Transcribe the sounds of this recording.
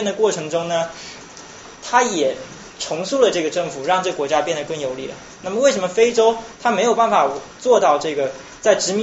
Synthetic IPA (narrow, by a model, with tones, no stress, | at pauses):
nd̪ə˩kwɔ˥˩ʈ͡ʂʰɤ˧˥ŋʈ͡ʂʊ˥ŋnə˨ | t̪ʰa˥jɛ˨˩ | ʈ͡ʂʰʊ˧˥ŋsu˥˩lə˩ʈ͡ʂɤ˥˩ɡə˩ʈ͡ʂɤ˥˩ŋfu˨˩ɻɑ˥˧ŋʈ͡ʂɤ˥ɡə˩kwɔ˧˥t͡ɕja˥pjɛ˥˩nd̪ə˩kɤ˥˩ŋjo˨˩ʊli˥˩lə̰˩ | na˥˩mə˩we˥˩ʂə˧˥mə˧fe˥ɪʈ͡ʂo˥ʊt̪ʰa˥me˧˥ɪjo˨˩ʊpa˥˩nfa˨˩t͡swɔ˥˧t̪ɑ˥˧ʊʈ͡ʂɤ˥˩ɡə˩ | t͡sa˥˩ɪʈ͡ʂɻ̩˧˥mi˧˥